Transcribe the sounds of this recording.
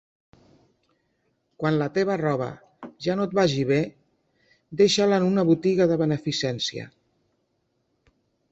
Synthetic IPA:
kwanlət̪eβərɔβ̞ə̰ | ʒanot̪̚baʒiβ̞e | d̪eʃalənunəβut̪iɣəðəβənəfisɛnsiə̰

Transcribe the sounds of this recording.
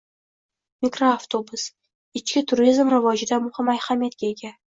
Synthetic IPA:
mikɾoaft̪ʰobʊs | ɪt͡ʃkʲɪt̪ʰʊɾizmɾɪvɒd͡ʒɪd̪amʊhɪmːajhamijat̪kʲaeɡʲa

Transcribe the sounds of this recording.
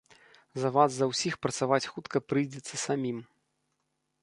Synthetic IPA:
zɐvazzɐwsʲixpɾɐt̪savat͡sʲxut̪kɐpɾɨjd͡zʲɛt̪sːɐsamʲim

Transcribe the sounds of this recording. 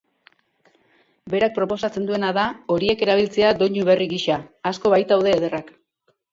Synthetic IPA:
be̞ɾak̚pɾo̞po̞sat͡se̞nd̪ue̞naðao̞ɾie̞ke̞ɾaβ̞ilt͡se̞ad̪o̞ɲuβe̞riɣiʃaːsko̞βajt̪awðe̞ːð̞e̞rak

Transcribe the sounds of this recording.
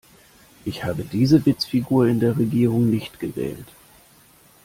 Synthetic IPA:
ʔɪçhaːbədiːzəvɪt͡sfiɡuːɐɪndeːɐʁeɡiːʁʊŋnɪçtɡ̥əvɛ̰ːlt

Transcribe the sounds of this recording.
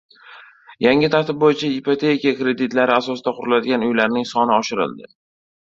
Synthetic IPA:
jaŋʲɪt̪ʰaɾt̪ɪb̚bojɪt͡ʃʰaipot̪ʰe̞kʲiakɾe̞d̪ɪt̪laɾɪasɒsɪd̪aqʰʊɾʊlad̪ɪɡʲanʊjlaɾnɪŋsɒnɪɒʃɪɾɪ̰ld̪ɪ̰

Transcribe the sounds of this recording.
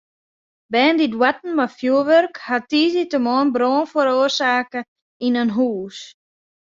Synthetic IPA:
bɛːndidwatn̩mafjuəʋørkhatiːzitəmoːnbɾoːnfoɾoːərsaːkə | inənɦuːs

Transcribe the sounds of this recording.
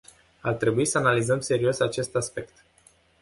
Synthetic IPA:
art̪ɾe̞buisəanalizəmse̞ɾio̞sat͡ʃe̞st̪aspe̞kt̪

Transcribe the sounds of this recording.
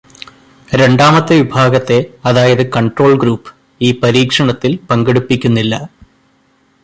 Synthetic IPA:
ɾe̞ɳɖaːmɐt̪ːɨʋibʱaːɡɐt̪ːe̞ɐðaːjɐðɨkɐɳʈro̞ːɭɡɾuːpːɨ̥ | iːpɐɾiːkʂɐɳɐt̪ːilpɐŋɡeɽupːikʲːunːilːɐ

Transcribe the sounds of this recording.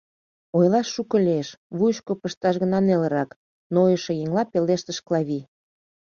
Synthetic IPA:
ojlɑʃːukəlʲeeʃβujʃkopəʃt̪ɑʃɣənɑnelə̆ɾɑk | nojəʃĕjeŋlɑpeleʃt̪əʃklɑβi

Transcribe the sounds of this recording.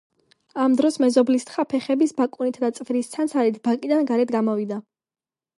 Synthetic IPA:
amd̪ɾɔsmɛzɔblist̪χapʰɛχɛbisbakʼunit̪ʰd̪at̪sʼvɾist̪sʰantsʰaɾit̪ʰbakʼid̪anɡaɾɛd̪ɡamɔvid̪a

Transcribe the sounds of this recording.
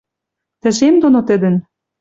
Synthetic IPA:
t̪ɘ̆ʃemd̪onot̪ɘ̆d̪ɘ̆n

